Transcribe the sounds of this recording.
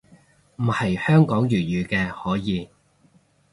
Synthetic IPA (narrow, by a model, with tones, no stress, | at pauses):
m̩˨˩hɐ˨jhœː˥ŋkɔː˨˥ŋjyː˨˩jyː˨˩kɛː˧hɔː˨˥jiː˨˧